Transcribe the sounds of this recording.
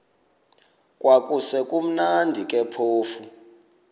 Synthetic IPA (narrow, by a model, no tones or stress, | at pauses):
kʼwakʼusɛkʼum̩nandʱikʼɛpʰoːfu